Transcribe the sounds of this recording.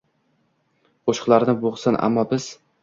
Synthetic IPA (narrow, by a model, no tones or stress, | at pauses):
qʰoʃqlˠaɾnɪboʁsɪnʔa̰mːɒbɪz̥